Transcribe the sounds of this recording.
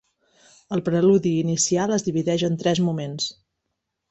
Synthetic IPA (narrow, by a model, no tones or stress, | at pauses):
əlˠpɾəluðiːnisialˠəzðiβiðɛʒənt̪ɾɛzmumens